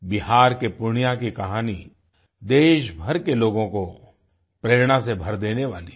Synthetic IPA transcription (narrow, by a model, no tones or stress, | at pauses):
bɪɦaːɾkepʊɾɳ̃ɪjakikɐɦaːni | d̪eːʃbʱɐɾkeloːɡõko | pɾeːɾɽ̃asebʱɐɾd̪eːneʋaːli